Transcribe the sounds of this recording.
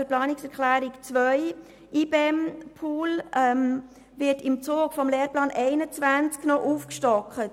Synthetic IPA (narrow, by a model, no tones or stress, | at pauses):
əplɑːnɪksɛɾklæːɾɪkt͡svœʏ | ʔiːbeɛmpʰuːlɛm | vɪtɪmt͡soːɡ̥fɔmleːɾplɑːnʔɛɪnət͡svænt͡sknɔʔufkʃtɔkət